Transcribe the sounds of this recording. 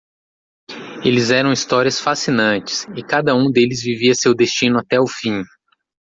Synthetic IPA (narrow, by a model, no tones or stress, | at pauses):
elɪzɛɾɐ̃w̃ist̪ɔɾiɐsfasinɐ̃t͡ʃɪ̥sɪkad̪ɐũd̪elɪzviviɐsewd̪est͡ʃĩnʊat̪ɛʊfĩ